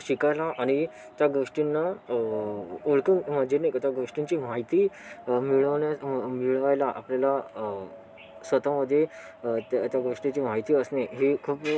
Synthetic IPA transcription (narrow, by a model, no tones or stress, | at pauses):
ɕikajlaʔaɽ̃i | t̪jaɡoʂʈinːa | oɭkənməd͡ʑenəjkət̪jaɡoʂʈiɲt͡ɕiːm̤aɦit̪iːmiɭamiɭʋajlaʔa̰pljala | sʋət̪aməd̪ʱːje | t̪t̪jaɡoʂʈit͡ɕiːmaɦit̪iːəsneɦekʰuːp